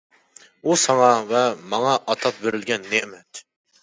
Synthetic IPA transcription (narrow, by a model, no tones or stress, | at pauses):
usɑŋɑvɛmɑŋɑʔɑt̪ʰɑp̚beɾɪlɡʲɛnːemɛt̪